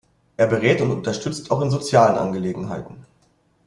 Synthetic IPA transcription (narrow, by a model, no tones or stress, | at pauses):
ʔeːɐbəʁɛːtʊntʊ̰ntɐʃtʏt͡staʊxɪnzot͡sjaːlənʔa̰nɡəleːɡŋ̩ɦaɪtn̩